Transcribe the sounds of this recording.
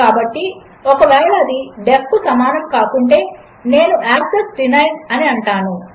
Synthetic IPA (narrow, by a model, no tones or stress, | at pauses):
aːbɐʈːi | ɔkɐʋɛːɭɐːd̪iɖepːusɐmaːnɐmkaːkuɳʈe̞ː | ne̞ːnuʔaːksesɖinɐjnɐniɐɳʈaːnu